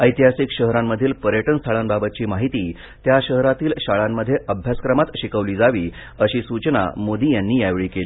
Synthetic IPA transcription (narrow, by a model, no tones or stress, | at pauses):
əjt̪iɦasikɕəɦɾamːəd̪ʱiːlpəɾjəʈənst̪ʰaɭanbabət̪̚t͡ɕiːmaɦit̪iː | t̪jaɕəɦɾat̪iːlɕaɭamːəd̪ʱːjeʔəbʱjaskɾəmat̪ɕikəʋliːd͡zaʋiː | əɕiːsut͡ɕna̰mod̪iːjanːiːjajʋɭiːkeliː